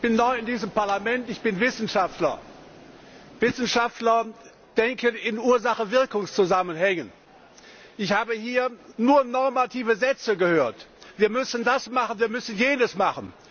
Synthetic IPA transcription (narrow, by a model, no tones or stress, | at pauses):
ɪçb̥ɪnːɔʏɪndiːzəmpaɐlamɛntɪçb̥ɪnvɪsn̩ʃaftlɐ̰ | vɪsn̩ʃaftlɐ | d̥ɛŋkʰəɪnuːɐzaχəvɪɐkʊŋst͡suzamənhɛŋən | ʔɪçhaːbəhiːɐnuːɐnɔɐmatʰiːvəzɛt͡səɡəhøːɐtv̥iːɐmʏsn̩dasmaχənviːɐmʏsn̩jeːnəsmaχən̩